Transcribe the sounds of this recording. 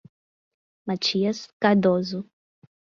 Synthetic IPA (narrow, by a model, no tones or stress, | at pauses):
mat͡ʃiɐskaɾd̪ozʊ